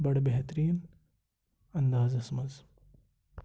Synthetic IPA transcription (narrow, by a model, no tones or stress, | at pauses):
bɐɽbeɦt̪ɾiːn | ɐnd̪aːzɐsmɐz